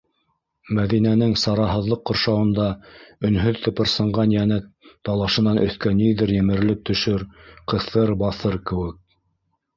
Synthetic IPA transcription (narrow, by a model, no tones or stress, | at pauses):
mæðinænɘŋsɑɾɑɦɤ̆ðlˠɤqːŏɾʃɑwɤ̆nd̪ɑɵ̆nɦɵðt̪ɤ̆pɤ̆ɾsɤ̆ɴʁɑnjænɘtt̪ːɑlˠɑʃɤ̆nɑnɵ̆θkæniðɘɾjɘ̆mɘ̆ɾlɘp̚t̪ɵ̆ʃɵɾqɤ̆θɤɾbɑθɤɾkɘ̆wɘk̚